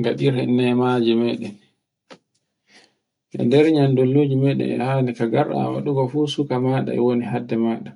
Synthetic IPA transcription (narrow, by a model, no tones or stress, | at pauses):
ŋɡaɗiɾhɛnːɛmad͡ʒimɛːɗɛn | ʔɛ̰dɛɾɲandolːud͡ʒimɛɗɛ̰nɛ̰hanikaɡaɾa̰wa̰ɗuɡɔfuːsukamaːɗa̰ɛ̰woniɦadːɛmaːɗa